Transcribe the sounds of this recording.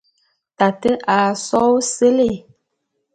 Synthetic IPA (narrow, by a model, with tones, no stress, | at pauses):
ta˨tə˦ʔa˨sɔ˦wse˦le˦˨